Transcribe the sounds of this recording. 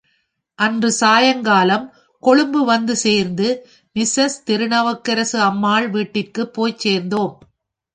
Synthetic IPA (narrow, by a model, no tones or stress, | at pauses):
ʔɐndrɯsaːjɐŋɡaːlɐm | kɔɻɯmbɯʋɐnd̪ɯseːɾnd̪ɯ | mɪsɐst̪ɪɾɯɳɐʋɐkːɐɾɐsɯɐmːaːɭʋiːʈːɪrkɯpːoːjt͡ʃːeːɾnd̪oːm